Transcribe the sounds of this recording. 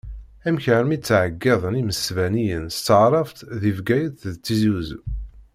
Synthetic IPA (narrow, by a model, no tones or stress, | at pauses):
æmçəɾmit͡sːʕəɡːɑðˤəniməsvænijənst̪ːəʕɾˤɑft̪ðivɡæjəθðt͡sːizuz